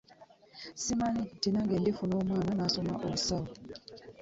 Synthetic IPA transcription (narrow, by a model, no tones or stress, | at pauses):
simanitinaŋɡɛndefunomwaːnanasɔmaʔousawu